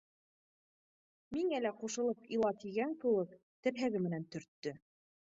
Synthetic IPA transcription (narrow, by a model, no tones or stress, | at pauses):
miŋælæquʃɤ̆lˠɤpilˠɑt̪iɡæŋkɘ̆wɘk | t̪ɘ̆ɾɦæɡɘmɘ̆nænt̪ɵ̆ɾt̪ːɵ